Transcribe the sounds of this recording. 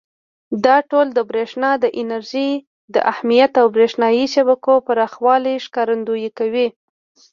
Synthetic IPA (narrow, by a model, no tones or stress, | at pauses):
d̪ɑʈold̪əbɾeʃnɑd̪əʔɪnaɾʒi | d̪ə̰ʔahmijat̪awbɾeʃnɑjiʃabakopəɾɑxwɑliʃkɑɾand̪ojikawi